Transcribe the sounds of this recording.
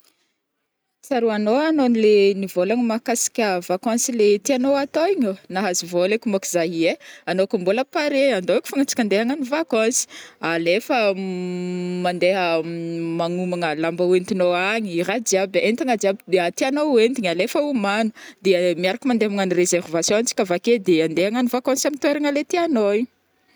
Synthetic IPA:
t͡saɾuanoanonilenivolaŋimakasi̥kʲəvakãnsilet̪ianoat̪oiɲonaɦazivolekʲumokizaɦieanokumboləpaɾeand̪oeku̥faŋat͡si̥kʲand̪eɦaŋanivakãsi̥alefə | mand̪eɦəmaŋumaŋəlambawent̪inoaɲiiɾad͡ʒiabent̪aŋad͡ʒiabid̪at̪ianoent̪iɲalefəumanud̪eəmiaɾakimand̪eamaŋanirezɛrvasjõant͡si̥kavaked̪eand̪eɦaŋanivakãnsiamint̪weɾaŋəlet̪ianoiɲ

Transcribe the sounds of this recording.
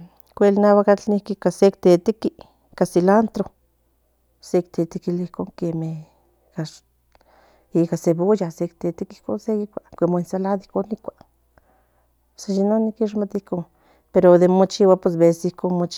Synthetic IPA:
kʷelnawakat͡ɬnihkikasek̚t̪et̪iki | kasilant̪ɾo | sekt̪et̪ikilihkoːŋkeme | ka | ikaseβojasek̚t̪et̪ikihkonseikʷakʷemoinsalad̪ihkonikʷaʔ | sajinonikiʃ̬mat̪ihkoŋ | peɾod̪emot͡ʃiwapwes̬besihkonmot͡ʃ

